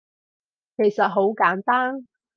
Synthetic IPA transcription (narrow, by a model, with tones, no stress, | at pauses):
kʰe˨˩jsɐ˨t̚ɦo˨˥wkaː˨˥nt̪aː˥n